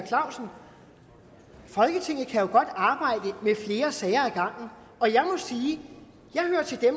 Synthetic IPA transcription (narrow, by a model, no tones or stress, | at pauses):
kʰlɑ̈ʊ̰sn̩ | fɒ̽lɡ̥ət͡sʰe̝ŋ̰ð̩ˠkʰæjo̝ɡ̥ɒ̽d̥ɑ̈ːb̥ɑ̈ɪ̰d̥əmefle̝ːɐsɛːɪɐæɡ̥ɑ̈ŋ̰n̩ | ɒ̽jɑ̈ɪmɒ̽siː | jɑ̈ɪhøːɐt͡sʰe̝ld̥em